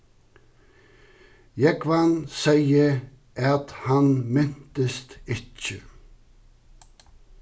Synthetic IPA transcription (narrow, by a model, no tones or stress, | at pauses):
jɛkʰʋɑnsæɪə | ʔɑt̪hɑnmɛn̥t̪əst̪ɪt͡ʃːə̰